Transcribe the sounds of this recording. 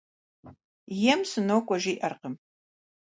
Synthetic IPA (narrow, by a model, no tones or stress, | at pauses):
jɛmsɨnowkʷʼɔʒiːʔɐrqəm